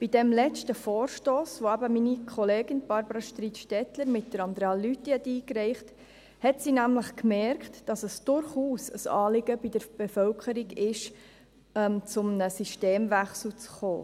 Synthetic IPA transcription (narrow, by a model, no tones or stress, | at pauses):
b̥idɛmlɛt͡stəfoːɾʃtoːsʋoæbəminikʰχɔleːɡɪnb̥ɑɾbəɾɑʃt̪ɾiːtʃtɛtləɾmɪt̚d̥əɾɑndɾeɑlːytːihɛtiːkɾɛɪχt | hɛtsinæmləχkmɛɾktd̥ɑsəsd̥ʊɾχuːsə̰sɑ̰ːlɪɡəbidəɾb̥ɛfœlkəɾiɡɪʃ | ɛmt͡sʊmnəsiʃteːmvæχsl̩t͡sχo̰ː